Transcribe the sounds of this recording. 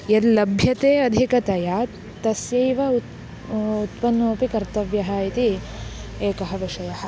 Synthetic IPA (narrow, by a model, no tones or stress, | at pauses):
jɐd̪lɐbʱjɐt̪eːɐd̪ʱikɐt̪ɐja | t̪ɐsjɐjʋɐ | ut̪pɐnːoːpikɐɾt̪ɐʋjɐɦɐit̪i | eːkɐɦɐʋiʂɐjɐɦɐ̆